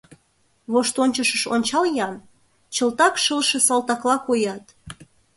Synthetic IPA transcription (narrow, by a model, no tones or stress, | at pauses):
βoʃt̪onʲt͡ɕəʃəʃo̰nʲt͡ɕɑljɑn | t͡ɕəlt̪ɑkʃəlʃĕsɑlt̪ɑklɑkojɑt̪